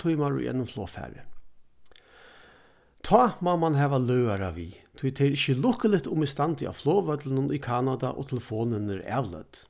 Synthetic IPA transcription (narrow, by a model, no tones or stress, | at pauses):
t̪ʰʊjmaɾʊ̰jʔɛ̰nːʊmfloːfɛ̰ːɾə̰ | t̪ʰɔːmaːmanɦɛːʋalœwaɾaʋiːt̪ʰʊjt̪ʰeɾɪçəlʊhkəlɪht̪ʊmɪst̪ant̪ʰɪʔa̰floːʋœt̪lənʊnʊjkʰaːnad̪a̰ʔo̰ːt̪ʰɛləfoːnɪnəɾɛ̰ːʋlœ̰t̪